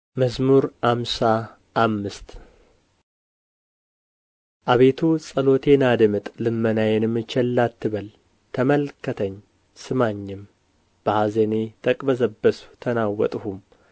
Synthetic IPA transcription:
məzmuɾhamsa | ʔːmːɨst̪ | ʔaβe̞t̪ʰusʼəlo̞t̪ʰe̞nad̪ɨmɨt̪ʼlɨmːənajɛnɨmːɨt͡ʃːɛlːat̪ːɨβəl | t̪ʰəməlkːət̪ʰəɲː | sɨmaɲːɪm | b̥əhazənet̪ʰəkʼbəzəbːəsu̥t̪ʰənawːɔ̰t̪ʼhum

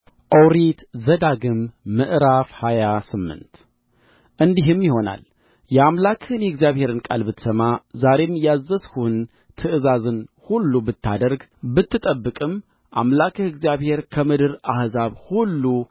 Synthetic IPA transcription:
ʔəwɾit̪zəd̪aɡɨmːɨʔɾafhajasɨmːɨ̰nt̪ | ʔɨnd̪iɦɨmjiho̞na̰l | jɛamlakʰhɨnjɛɡzijaβhe̞ɾɨnkʼa̰lbɨt̪səmazaɾe̞mjazːəshuɨn | t̪ʰɨʔɨzazɨnhulːubɨt̪ʰːa̰d̪əɾɡbɨt̪ːɨt̪ʼəbːɨkʼɨm | ʔa̰mlakʰɨhɨɡzjaβhe̞ɾkʰəmɨd̪ɨɾahzaβhulːu

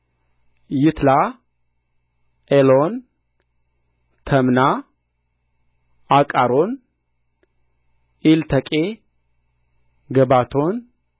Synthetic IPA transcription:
jɪt̪la | ʔelon | t̪ʰəmna | akʼaɾon | ʔilt̪ʰəkʼe | ɡəbat̪ʰon

